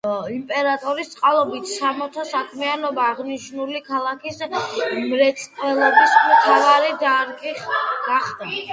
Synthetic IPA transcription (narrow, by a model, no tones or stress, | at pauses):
impʼɛɾat̪ʼɔɾist̪sʼqʼalˠɔbit̪ʰsamɔt̪ʰɔsakʰmianɔbaːʁniʃnulikʰalˠakʰismɾɛt̪sʼqʼwɛlɛbismt̪ʰavaɾid̪aɾɡʼiɡ̥aχd̪a